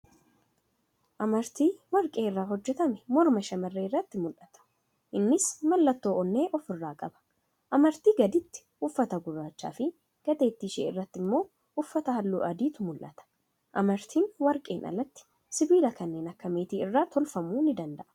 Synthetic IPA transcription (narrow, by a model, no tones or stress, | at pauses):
ʔɐmɐɾt̪iːwɐɾkʼe̞ːɪrːaːɦɔd͡ʒːɛt̪ɐmɛmɔɾmɐʃɐmɐrːeːrːɐt̪ːɪmʊlʔɐt̪ɐ̥ | ʔɪnːɪsmɐlːɐt̪ːo̞ːʔɔnːe̞ːʔɔfɪrːaːkʼɐbɐ̥ | ʔɐmɐɾt̪iːɡɐd̪ɪt̪ːɪ̥ | ʊfːɐt̪ɐɡʊrːaːt͡ʃːa̰ːfɪ | ɡ̥ɐd̪eːt̪ːiːʃḛːɪrːɐt̪ːɪmːo̞ː | ʊfːɐt̪ɐhɐlːṵːʔɐd̪iːt̪ʊmʊlʔɐt̪ɐ̥ | ʔɐmɐɾt̪ʰiːnwɐɾkʼe̞ːnʔɐ̰lːɐt̪ːɪ̥ | sɪbiːlɐkɐnːe̞ːnɐkːɐmeːt̪iːɪrːaːt̪ʰɔlfɐmuːnɪd̪ɐnd̪ɐʔɐ̥